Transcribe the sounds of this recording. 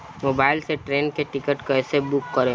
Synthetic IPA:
moːbaːɪlseʈɾeːnkeʈɪkəʈkɛːsebʊkːəɾe

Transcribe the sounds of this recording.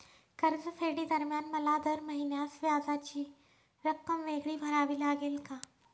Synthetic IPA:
kəɾd͡zəfeɽiːd̪əɾmjanməlad̪əɾməɦinjasʋjad͡zat͡ɕiː | ɾəkːəmʋeɡɭiːbʱəɾaʋiːlaɡelka

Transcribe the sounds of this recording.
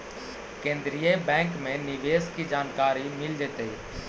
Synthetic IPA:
kẽːnd̪ɾijebɛ̃ːŋkmẽnɪʋeːskid͡ʒaːnkaːɾimɪld͡ʒeːt̪eɦ

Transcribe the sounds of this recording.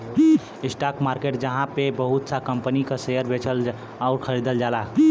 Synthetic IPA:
isʈakmaɾkeʈ̚d͡ʒəɦãpebəɦut̪sakəmpənikasejəɾbʱet͡ʃəl | aʊɾkʰəɾid̪əld͡ʒala

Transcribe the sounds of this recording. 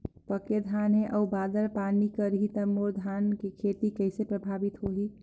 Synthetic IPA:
pəked̪ʱanɦẽʔɔubaːd̪əɾpanikəɾɦit̪əmoɾd̪ʱankekʰet̪ikəɪsepɾəbʱaːbit̪ɦoɦi

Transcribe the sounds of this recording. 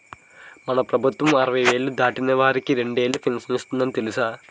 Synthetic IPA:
mɐnɐprɐbʱɐt̪ːʋumɐrɐʋɐʋeːlɨd̪aːʈːinːɐʋaːɾikʲːɨɾeɳɖeːlɨfilmsnist̪unːɐnt̪elisaː

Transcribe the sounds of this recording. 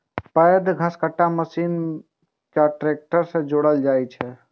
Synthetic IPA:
pəjd̪ɡʱə̃skəʈːaməsin | kaʈɾek̚ʈəɾsə̃d͡ʒoɽəld͡ʒajt͡ʃʰɛ

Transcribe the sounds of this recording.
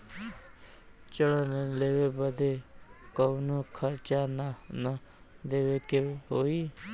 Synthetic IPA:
t͡ʃəɽəneleːʋeːbəd̪eːkəunuːkʰəɾt͡ʃannə | d̪eːʋekeɦoːiː

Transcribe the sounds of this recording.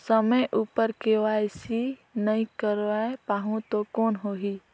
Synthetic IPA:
səməjʔupəɾkeʋajsinəĩkəɾaepaːɦũt̪okoːnɦoɦi

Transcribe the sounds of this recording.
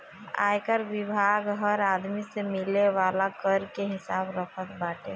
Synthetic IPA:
a̰ːjkəɾʋɪbʱaːɡɦəɾaːd̪misemɪleʋaːlakəɾkeɦɪsaːbɾəkʰət̪baːʈe

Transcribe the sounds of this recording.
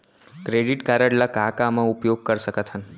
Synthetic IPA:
kɾeɖiʈkaɾəɽlakakamãupjoɡ̚kəɾʃəkət̪ʰən

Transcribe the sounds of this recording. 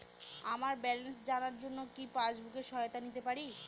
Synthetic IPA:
amaɾbɛlensd͡ʑanaɾd͡ʑonːokipad͡ʑbʱukeɾʃɔot̪anit̪epaɾi

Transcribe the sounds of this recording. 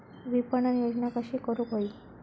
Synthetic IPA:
ʋipəɳənjod͡ʒnakəʃikəɾukoi

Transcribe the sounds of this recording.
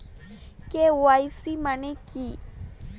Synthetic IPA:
kewajsimaneki

